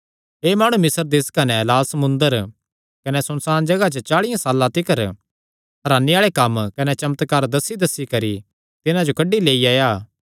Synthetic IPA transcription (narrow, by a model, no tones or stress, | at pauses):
eːmaːɽ̃umɪsəɾd̪eːskɐnɛlaːlsɐmʊ̃nd̪əɾ | kɐnɛsʊnsaːnd͡ʒɐɡat͡ʃət͡ʃaːɭɪjãsaːlːãt̪ɪkəɾ | ɦɐɾaːneaːɭekɐmkɐnɛt͡ʃɐmət̪kaːɾd̪ɐsːid̪ɐsːikɐɾi | t̪ɪnãd͡ʒokɐɖileːiaːjaː